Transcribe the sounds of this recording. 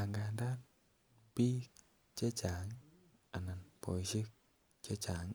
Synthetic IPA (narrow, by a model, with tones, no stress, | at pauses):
a˨ŋɡa˨nda˦n | pi˦k | t͡ʃe˦t͡ʃa˨ŋ | a˨na˨npo˨i˨si˦k̚ | t͡ʃe˦t͡ʃa˨ŋ